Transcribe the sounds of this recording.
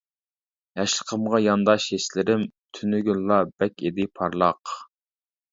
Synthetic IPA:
ɛʃə̥qʰəmʁɑjɑnd̪ɑʃeʃlɪɾɪmt̪ʰynyɡʲylːɑbɛkʲed̪ɪpʰɑɾlˠɑ̰q

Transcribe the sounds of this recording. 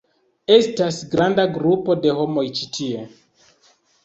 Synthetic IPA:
e̞stasɡɾandaɡɾupo̞de̞ho̞mo̞jt͡ʃitʰie̞

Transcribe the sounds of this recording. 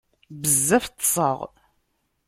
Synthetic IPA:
bəzːæft̪ːsˤə̰ʁ

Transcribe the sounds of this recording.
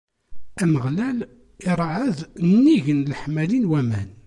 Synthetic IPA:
æməʁlæl | ɪɾˤʕəðnnːiʝənlħmælinwæmæ̰n

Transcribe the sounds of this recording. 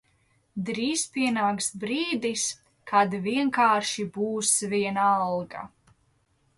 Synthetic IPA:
d̪ɾiːs̚piɛnaːkst̪̚bɾiːd̪is | kʰad̪viɛŋkaːɾʃibuːsviɛnalˠɡa̰

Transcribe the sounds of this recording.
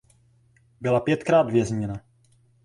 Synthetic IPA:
bɪlapjɛt̪kɾaːd̪vjɛzɲɛna

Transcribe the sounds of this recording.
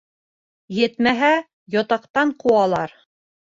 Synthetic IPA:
jɘ̆t̪mæɦæ | jɒt̪ɑqt̪ɑɴquɑlˠɑɾ

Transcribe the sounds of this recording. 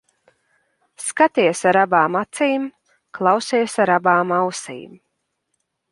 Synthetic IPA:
skat̪iɛsaɾabaːmat̪siːm | klˠawsiɛsaɾabaːmawsḭːm

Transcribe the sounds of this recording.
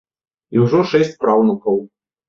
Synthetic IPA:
iwʐɔʂɛsʲt͡sʲpɾawnukɐw

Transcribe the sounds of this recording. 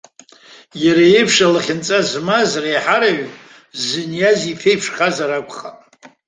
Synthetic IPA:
jaɾajejpʰʂalaχʲɪnt͡sʼazmazrajħaɾaɥ | zɨnjazifʰejpʰʂχazaɾakʷʰʼχa

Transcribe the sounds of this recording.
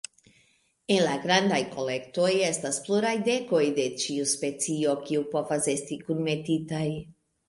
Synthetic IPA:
e̞nlaɡɾandajko̞le̞kto̞je̞staspluɾajde̞ko̞jde̞t͡ʃiuspe̞t͡sio̞kiupo̞vase̞stikunme̞titaj

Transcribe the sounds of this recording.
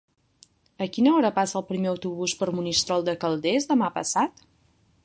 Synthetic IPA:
əkinəɔɾəpasəːlˠpɾimeəwt̪uβuspəɾmunist̪ɾɔlˠd̪əkəlˠd̪ezd̪əmapə̰sat̪

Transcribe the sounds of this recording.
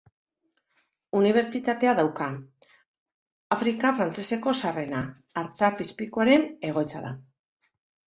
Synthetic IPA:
uniβ̞e̞ɾt͡sit̪at̪e̞aðawka | afɾikafɾant͡se̞se̞ko̞sare̞naː | ɾt͡sapispiko̞aɾe̞ne̞ɣ̞o̞jt͡sa̰ða̰

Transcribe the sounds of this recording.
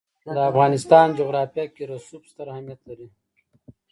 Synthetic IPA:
d̪əafɣɑːnɪst̪ɑːnd͡ʒoɣɾɑːfjakiɾasubst̪aɾhamijat̪laɾi

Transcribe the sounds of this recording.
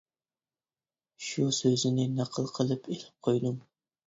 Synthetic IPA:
ʃusøzɪnɪnɑqʰəlˠqʰəlˠɨpʰelɪp̚qʰojd̪ʊm

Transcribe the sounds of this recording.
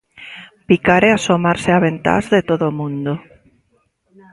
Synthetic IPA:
pikaɾɛasomaɾseaβent̪a̰zðet̪oðomũnd̪o

